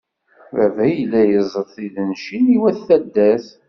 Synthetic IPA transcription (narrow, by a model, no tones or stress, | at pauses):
vævæjəlːæjəzˤəɾθiðənʃiniwæθːæd̪ːæθ